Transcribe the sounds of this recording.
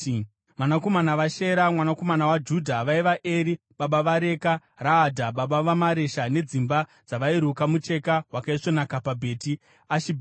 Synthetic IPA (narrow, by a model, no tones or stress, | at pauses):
ʋanako̞manaʋaʃe̞ɾamwanako̞manawad͡ʒudʱaʋaiʋaʔeːɾi | ɓaɓaʋaɾe̞karaːdʱaɓaɓaʋamaɾe̞ʃane̞d͡zimba | d͡zaʋaiɾukamut͡ʃe̞kawakaiʂonakapabʱe̞ːti | aʃibʱ